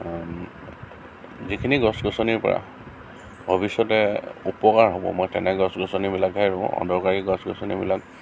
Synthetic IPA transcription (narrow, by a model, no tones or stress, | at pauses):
zikʰiniɡɔsɡɔsɔniɹpɔ̰ɹa̰ | bobisɔtɛupɔkaɹɦobɔ̰mɔjtɛ̰nɛɡɔsɡɔsɔnibilakaɹʊ̃ɔ̰ndɔkaɹiɡɔsɡɔsɔnibilak